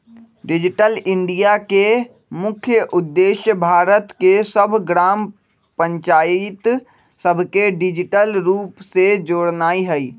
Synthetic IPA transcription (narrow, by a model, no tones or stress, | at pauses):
ɖɪd͡ʒɪʈəlɪ̃ɳɖijake | mʊkʰjəʔʊd̪ːeːʃjəbʱaːɾət̪kesəbʱɡɾaːm | pə̃ɲt͡ʃaːjɪt̪ | səbʱkeɖɪd͡ʒɪʈəlɾuːpsed͡ʒoːɽnaːiɦɛiː